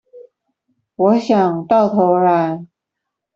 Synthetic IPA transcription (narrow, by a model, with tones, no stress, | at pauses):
wɔ˧˥ɕjɑ˨˩ŋt̪ɑ˥˩ʊt̪ʰo˧˥ʊɻa˧˥n